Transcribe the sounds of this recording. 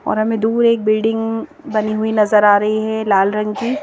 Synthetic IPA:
ɔ̰ːɾɦɐmẽd̪uːɾeːk̚bɪlɖɪ̃ŋɡ | bɐniɦuinɐzəɾaːɾɐɦiɦɛlaːlɾɐ̃ŋɡki

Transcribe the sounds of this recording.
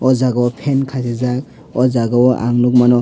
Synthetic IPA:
ɔzaɡawɔpʰenkʰasezak̚ | ɔzaɡawɔʔa̰ŋnuk̚manɔ

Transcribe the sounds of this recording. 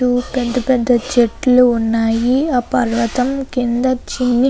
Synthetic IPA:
upɛd̪ːɐpɛd̪ʱːɐt͡ʃeʈːluunːaːjiɐpɐɾʋɐt̪ɐmkind̪ɐt͡ʃinːi

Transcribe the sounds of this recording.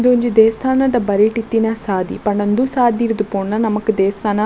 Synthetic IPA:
d̪uɲd͡ʒid̪eːst̪ʰaːnad̪ɐbɐɾiʈit̪ːinasaːd̪ḭpɐɳɐnd̪usaːd̪iɾd̪upoːɳːɐnɐmɐkd̪eːst̪ʰaːna

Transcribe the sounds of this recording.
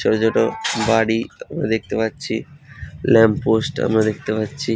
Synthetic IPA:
ɔd͡ʑɔʈobaɽiamɾad̪ek̚t̪epatːɕʰilɛmpposʈa̰mɾad̪ek̚ʰt̪epatːɕʰi

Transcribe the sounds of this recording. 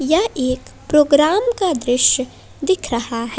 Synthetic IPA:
jɐɦeːkpɾoːɡɾaːmkad̪ɾɪʃj | d̪ɪkʰɾɐɦaɦɛ

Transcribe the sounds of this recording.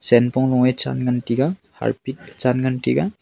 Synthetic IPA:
senpɔŋlɔŋet͡ʃa̰nɡantiɡaha̰ɾpit̚t͡ʃanɡantḭɡa

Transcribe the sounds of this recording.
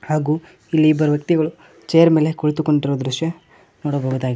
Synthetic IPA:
haːɡuː | ilːiːbɐɾɐʋjɐk̚t̪iɡɐɭu | t͡ʃejɐɾme̞ːlekuɭt̪uko̞ɳɖiɾoːd̪ɾuʂjɐ | noːɽɐbʱoːɡud̪aːɡi

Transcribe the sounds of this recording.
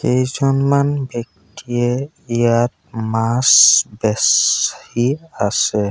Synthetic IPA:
kejzɔnmanbjɔk̚tiɛ | ijat̚ | masbɛshiasɛ

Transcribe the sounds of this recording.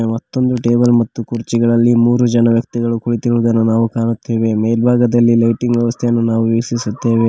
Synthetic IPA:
mɐt̪ːo̞nd̪uʈe̞ːbɐlmɐt̪ːukuɾt͡ʃiɡɐɭɐlːimuːɾud͡ʒɐnɐʋjɐk̚t̪iɡɐɭukuɭit̪iɾuːd̪ɐnːunaːʋukaːɳut̪ːeːʋe̞mejlbʱaːɡɐd̪ɐlːilɐjʈiŋɡʋjɛʋɐst̪ʰejɐnːunaːʋuʋiːksisut̪ːe̞ːʋe̞

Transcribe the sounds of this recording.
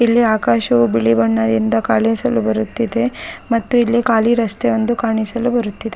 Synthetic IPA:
ilːiaːkaːʃɐʋubiɭibɐɳːɐd̪ind̪ɐkaːlesɐlubɐɾut̪ːid̪e̞mɐt̪ːuilːikaːliɾɐst̪eʋond̪ukaːɳisɐlubɐɾut̪ːid̪e

